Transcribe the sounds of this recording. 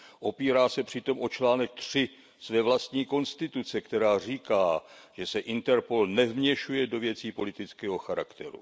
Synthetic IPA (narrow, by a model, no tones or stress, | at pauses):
ʔo̞piːɾaːsɛpr̝̥ɪt̪o̞mʔo̞t͡ʃlaːnɛk̚t̪r̝̥ɪ | svɛːvlast̪ɲiːko̞nst̪ɪt̪ut͡sɛkt̪ɛɾaːr̝iːkaːʒ̥ɛsɛʔɪnt̪ɛɾpolnɛvmɲɛʃujɛdo̞vjɛt͡siːpo̞lɪt̪ɪt͡skɛːɦo̞xaɾa̰kt̪ɛ̰ɾṵ